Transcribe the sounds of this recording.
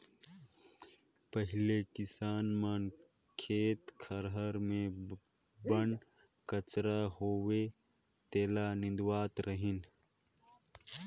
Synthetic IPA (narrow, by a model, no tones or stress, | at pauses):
pɐɦɪlekɪsaːnmaːn | kʰeːt̪kʰɐɾɦəɾmẽ | bɐɳ | kɐt͡ʃɾaɦoːwe | t̪eːlaːnɪ̃nd̪uwaːt̪ɾəɦin